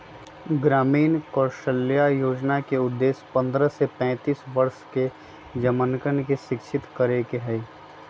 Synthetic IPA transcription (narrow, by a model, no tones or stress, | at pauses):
ɡɾaːmiːnkɔːɾʃəljajoːd͡ʒnakeʊd̪ːeːspə̃nd̪ɾəsepɛ̃ːt̪iːsʋɐɾʃke | d͡ʒəmənkənkeʃɪkʃʰɪt̪kəɾekeɦɛ